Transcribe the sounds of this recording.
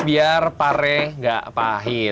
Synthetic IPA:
biarpaɾɛŋɡa̰ʔpaɦi

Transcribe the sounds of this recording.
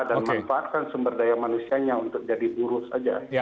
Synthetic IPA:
danmanfaːt̪̚kansəmbərdajamanusiaɲaunt̪ʊk̚d͡ʒadibuɾʊsa̰d͡ʒa̰

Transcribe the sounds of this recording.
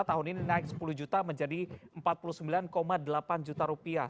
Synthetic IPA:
t̪aɦʊnininaɪk̚sə̥puluhd͡ʒut̪aməɲd͡ʒadiəmpat̪̚pulusəmbilankomadəlapand͡ʒut̪aɾupia

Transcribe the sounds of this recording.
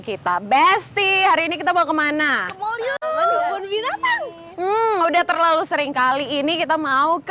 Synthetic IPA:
kit̪abɛst̪ihaɾiːnikit̪abaukəmana | ʊnbinat̪an | m̩udaht̪ərlalusəɾɪŋkaliːnikit̪amauk

